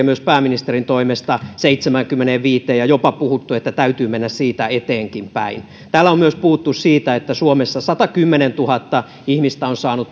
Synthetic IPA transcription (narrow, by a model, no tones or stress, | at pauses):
myøspæːminist̪erint̪oimest̪ɑseit̪semæŋkymːeneʋʋiːt̪eːjɑjopɑpuhut̪ːuet̪ːæt̪æyt̪yːmenːæssiːt̪æet̪eːŋkimpæ̰in | t̪æːlːæomyøspuhut̪ːussiːt̪æet̪ːæsuomesːɑsɑt̪ɑkymːenent̪uhɑt̪ːɑ | ihmist̪æonsɑːnut̪